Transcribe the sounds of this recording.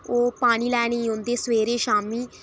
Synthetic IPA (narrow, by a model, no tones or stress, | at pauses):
oːpaːɽ̃iːlɛːɽ̃iːɦõnd̪eːsʋeːɾeːʃaːmiː